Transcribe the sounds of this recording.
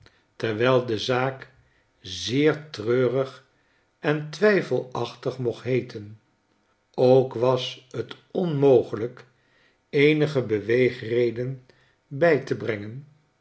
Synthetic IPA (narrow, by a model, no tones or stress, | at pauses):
tɛɹʋɛlˠdəzaːk | zɪːɹtrøːrəχ | ɛntʋɛjfəlˠɑχtəχmɔχɦejtʰən | owkʋɑshət | ɔnmowχələk | ejnəχəbəʋejχrejdən | bɛjtəbrɛŋən